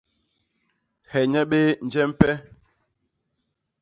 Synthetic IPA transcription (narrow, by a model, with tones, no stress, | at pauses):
hɛ˨ɲɛ˦ɓe˦n̩˨d͡ʒɛ˦m̩˦pɛ˦